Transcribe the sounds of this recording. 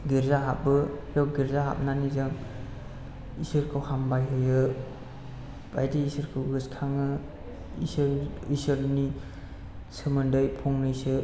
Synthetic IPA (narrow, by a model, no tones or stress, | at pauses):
ɡiɾzaɦap̚bɯjɔɡiɾzaɦa̰p̚nanizɯŋ | isɯɾkʰɯwhambajɦɯjɯ | b̥ajdiisɯɾkʰɯwɡɯskʰaŋɯ | isɾisɯɾni | sɯmɯndɯjpʰɔŋnɯisɯ